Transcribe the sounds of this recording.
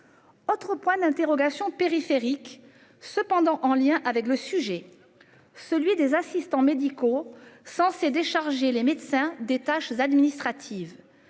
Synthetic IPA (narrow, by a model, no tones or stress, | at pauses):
ot̪χəpwɛ̃d̪ɛ̃t̪eʁɔɡasjɔ̃peʁifeʁik | səpɑ̃d̪ɑ̃ʔɑ̃ljɛ̃ʔavɛkləsyʒɛ | səlɥid̪ezasist̪ɑ̃med̪ikosɑ̃sed̪eʃaʁʒelemed̪sɛ̃d̪et̪aʃzad̪minist̪χat̪ʰiv